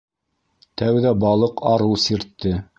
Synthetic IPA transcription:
t̪æwðæbɑlˠɤqʰɑɾɤwsiɾt̪ːɘ

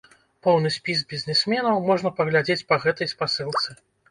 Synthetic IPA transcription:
pɔwnɨsʲpʲisbʲizʲnʲɛsʲmʲɛnɐwmɔʐnɐpɐɣlʲad͡zʲet͡sʲpɐɣɛt̪ɐjspasɨlˠt̪sɨ

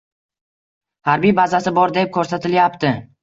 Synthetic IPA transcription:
haɾbijbazasɪbɒɾd̪ep̚kʲʰɵɾsat̪ʰɪljapt̪ʰɪ

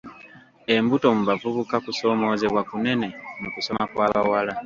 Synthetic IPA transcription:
e̞mbuto̞muβavuβukakuso̞ːmo̞ːze̞βwakune̞ne̞nokuso̞makwaːβawala

